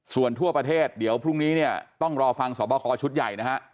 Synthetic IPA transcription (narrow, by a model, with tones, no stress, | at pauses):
su˨˩ənt̪ʰu˥˩ɐpɾa˧t̪ʰeː˥˩t̪̚di˩˦əwpʰɾu˥˩ŋniː˦˥ni˥˩ɐt̪ɔ˥˩ŋɾɔː˧fa˧ŋsɔ̰ː˩˦pɔː˧kʰɔː˧t͡ɕʰu˦˥t̪̚ja˨˩jna˦˥kʰa˦˥ʔ